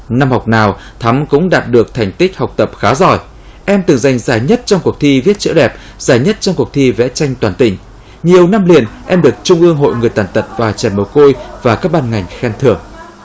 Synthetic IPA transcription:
na˧mha˨˩wk͡p̚naː˨˩w | t̪ʰa˨˦mkʊ̰˧˥ŋ͡mɗaː˨˩t̚ɗɨ˨˩ək̚t̪ʰa˨˩ŋ̟t̪i˦˥k̟̚ha˨˩wk͡p̚t̪ə˨˩p̚xaː˨˦zɔ˧˩j | ʔɛ˧mt̪ɨ˨˩ŋza˨˩jŋ̟zaː˨˩jɲə˦˥t̚t͡ɕɔ˧wŋ͡mku˨˩ək̚t̪ʰi˧vi˦˥ət̚t͡ɕə̰˧˥ɗɛ˨˩p̚ | z̥aː˧˩jɲə˦˥t̚t͡ɕɔ˧wŋ͡mku˨˩ək̚t̪ʰi˧vɛ̰˧˥t͡ɕa˧jŋ̟t̪waː˨˩nt̪ï˨˩ŋ̟ | ɲi˨˩əwna˧mlḭ˧˨ənʔɛ˧mɗɨ˨˩ək̚t͡ɕʊ˧ŋ͡mʔɨ˧əŋɦo̰˧˨jŋɨ˨˩əjt̪aː˨˩nt̪ə˨˩p̚vaː˨˩t͡ɕɛ˧˩mə˨˩wko˧jvaː˨˩kaː˦˥k̚ɓaː˧nŋa˨˩jŋ̟xɛ˧nt̪ʰɨ̰˨˩əŋ

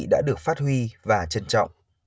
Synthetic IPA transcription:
ɗa̰ː˧˥ɗɨ˨˩ək̚faː˦˥t̚hwi˧vaː˨˩t͡ɕə˧nt͡ɕɔ̰˧˨wŋ͡m

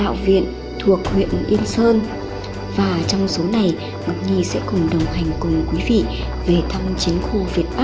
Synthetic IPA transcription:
ɗa̰ː˧˨wvḭ˧˨ən | t̪ʰu˨˩ək̚hwḭ˧˨ənʔi˧ənsəː˧n | vaː˨˩t͡ɕɔ˧wŋ͡mso˨˦na˨˩j | ma˨˩t̚ɲi˧˩sɛ̰˧˥kʊ˨˩ŋ͡mɗə˨˩wŋ͡mha˨˩jŋ̟kʊ˨˩ŋ͡mkwi˨˦vḭ˧˨ | ve˨˩t̪ʰa˧mt͡ɕi˨˦ŋxu˧˩vi˨˩ət̚ɓa˦˥

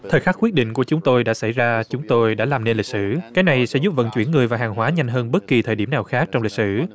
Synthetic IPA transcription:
t̪ʰəː˨˩jxaː˦˥kwi˦˥ət̚ɗḭ̈˧˨ŋ̟ku˧˩ət͡ɕʊ˨˦ŋ͡mt̪o˧jɗa̰ː˧˥sa˧˩jzaː˧t͡ɕʊ˨˦ŋ͡mt̪o˧jɗa̰ː˧˥laː˨˩mne˧nli˨˩k̚sɨ̰˧˨kaː˨˦jna˨˩jsɛ̰˧˥zu˦˥p̚və̰˧˨nt͡ɕwi˧˩ənŋɨ˨˩əjvaː˨˩ɦaː˨˩ŋɦwaː˨˦ɲa˧jŋ̟ɦəː˧nɓə˦˥t̚ki˨˩t̪ʰəː˨˩jɗi˧˩əmnaː˨˩wxaː˦˥k̚t͡ɕɔ˧wŋ͡mli˨˩k̚sɨ̰˧˨

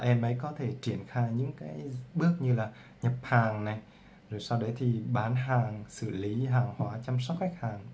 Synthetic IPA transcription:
ʔɛ˧mʔə˨˦jkɔ˨˦t̪ʰe˧˩t͡ɕi˧˩ənxaː˧jɲɨ̰˧˥ŋkaː˨˦jɓɨ˦˥ək̚ɲɨ˧laː˨˩ | ɲə˨˩p̚haː˨˩ŋna˨˩j | zo˨˩jsa˧wɗə˨˦jt̪ʰi˨˩ɓaː˨˩nɦaː˨˩ŋsɨ̰˧˩li˨˦ɦaː˨˩ŋhwaː˨˦t͡ɕa˧msa˦˥k͡p̚xa˦˥k̟̚haː˨˩ŋ

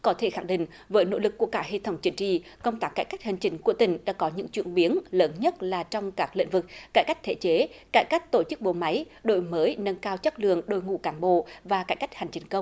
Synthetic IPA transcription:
kɔ˨˦t̪ʰe˧˩xa˧˩ŋɗḭ̈˧˨ŋ̟ | vəː˨˦jno̰˧˥lɨ˨˩kːu˧˩əkaː˧˥he˧t̪ʰə˨˦wŋ͡mt͡ɕï˨˦ŋ̟t͡ɕḭ˧˨kə˧wŋ͡mt̪aː˦˥kːaː˧˩jka˦˥jk̚hï˨˩ŋ̟t͡ɕï˨˦ŋ̟ku˧˩ət̪ï˨˩ŋ̟ɗa̰ː˧˥kɔ˨˦ɲɨ̰˧˥ŋt͡ɕwḭ˧˨ənɓi˨˦ənləː˨˦nɲə˦˥t̚laː˨˩t͡ɕɔ˧wŋ͡mkaː˦˥k̚lḭ˧˨ŋ̟vɨ˨˩k̚ːaː˧˩jka˦˥jk̚t̪ʰe˧˩t͡ɕe˨˦kaː˧˩jkaː˦˥jk̟̚t̪o˧˩t͡ɕɨ˦˥k̚ɓo̰˧˨ma˨˦jɗo̰˧˨jməː˨˦jnə˧nkaː˧wt͡ɕə˦˥k̚lɨ̰˧˨əŋɗo˧˩jŋṵ˧˨kaː˨˦nɓo̰˧˨vaː˨˩kaː˧˩jka˦˥jk̟̚ha˨˩jŋ̟t͡ɕi˨˦ŋ̟kə˧wŋ͡m

